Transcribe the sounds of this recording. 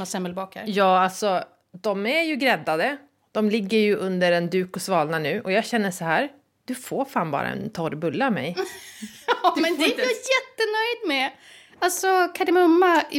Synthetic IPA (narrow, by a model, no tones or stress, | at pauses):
asɛmːɛlbɑːkhæ̰ɾjɑːalsɔ | d̪ɔmæɾjɵɡɾɛd̪ːad̪ə | d̪̥ɔmlɪɡːəɾjɵʔɵnd̪əɾɛnd̪ʉ̟ːkɔsvɑːlnanʉ̟ːʔɔjɑːɡɕɛnːəʂɔɦæːɾ | d̪̥ɵfoːɾfaːnbɑ̰ːɾʔa̰ɛ̰nt̪ʰɔɾbɵlːamɛ̰j | ɛɛjajɛt̪ːənœjd̪mɛ | alsɔkʰad̪ɪmɵmːa